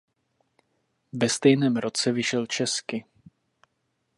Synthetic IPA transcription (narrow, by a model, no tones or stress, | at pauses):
vɛst̪ɛjnɛːmɾo̞t͡sɛvɪʃɛlt͡ʃɛskɪ